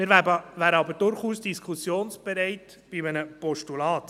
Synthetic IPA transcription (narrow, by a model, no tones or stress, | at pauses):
mɪɾʋæːbəʋæːɾəɑbəɾdʊɾχuːsd̥iskʰusjoːnsb̥ɛɾɛɪt | b̥imənəpɔʃtulɑːt̪